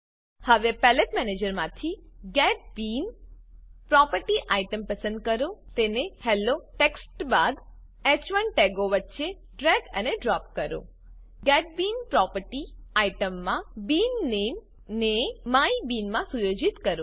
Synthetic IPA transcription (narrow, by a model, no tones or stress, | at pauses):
həʋepɛleʈmɛned͡ʒəɾmãt̪ʰiɡɛʈ̚bin | pɾɔpəɾʈiʔaiʈəmpəsə̃nd̪̚kəɾot̪enehɛloʈeksʈbad̪ | ɛt͡ʃʋənʈeɡoʋətːʃe | ɖɾɛɡə̰neɖɾɔp̚kəɾo̰ | ɡɛʈ̚binpɾɔpəɾʈiaiʈəmːãbinːem | nemaibinmãsujod͡ʒit̪kəɾõ